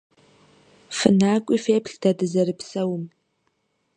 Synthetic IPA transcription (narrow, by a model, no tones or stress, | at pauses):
fɨnaːkʷʼifeːpʰɬd̥adɨzɐrɨpʰsɐwm